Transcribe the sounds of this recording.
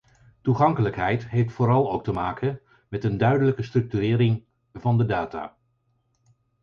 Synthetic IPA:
tuχɑŋkələkɦɛjtɦejftfʊːɾɑlˠowk̚təmaːkən | mɛtəndœɥdələkəstrɵk̚tyɾɪːɾɪŋ | vɑndədaːta̰ː

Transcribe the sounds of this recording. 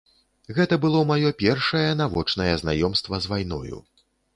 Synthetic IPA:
ɣɛt̪ɐbɨlˠɔmajɔpʲɛrʂɐjɛnavɔt͡ʂnɐjɛzna̰jɔmst̪vɐzvajn̪ɔ̰jṵ

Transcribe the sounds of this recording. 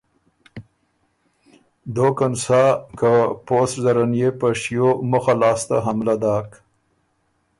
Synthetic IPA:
d̪okansakəposzaɾanjepəʂijoməxalɑːst̪a̰ɦamlad̪ɑːk

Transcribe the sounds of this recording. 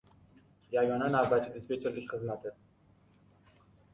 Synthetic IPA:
jaɡɒnanavbat͡ʃʰːɪd̪espet͡ʃʰeɾlɪkʲχɨzmat̪ʰɪ

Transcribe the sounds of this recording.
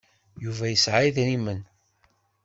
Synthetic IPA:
juvæjəsʕajðɾimən

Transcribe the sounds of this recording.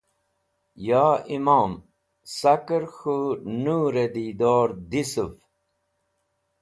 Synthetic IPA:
jaːimaːm | sakəɾxunuːɾed̪id̪oːɾd̪isuf

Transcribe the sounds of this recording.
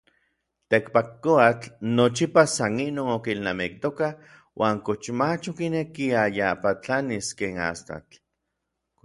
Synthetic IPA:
t̪ekpakːoat͡ɬnot͡ʃipasaninoːnokilnamik̚t̪okah | wʔaːŋkot͡ʃmat͡ʃokinekiajapat͡ɬaniskeːna̰st̪a̰t͡ɬ

